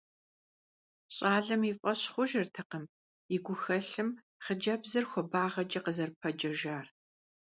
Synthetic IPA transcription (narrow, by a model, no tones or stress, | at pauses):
ɕʼaːɮɨmifʼɐɕχʷʊʒɪrtʰɐqəm | ɪɡʷʊxɐɬɨm | χəd͡ʒɐbzɐrxʷɔbaːʁɐd͡ʒʼɐqəzɐrpʰɐd͡ʒɐʒaːr